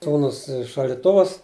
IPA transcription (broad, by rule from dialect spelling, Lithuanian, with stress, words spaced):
ˈsuːnʊs ɪ ʃɐlʲdʲɪˈtʊʋʊs